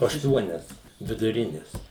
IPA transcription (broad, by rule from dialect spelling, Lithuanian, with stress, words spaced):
ɐʃˈtuɔnʲɛs ʋʲɪdʊˈrʲɪnʲɪs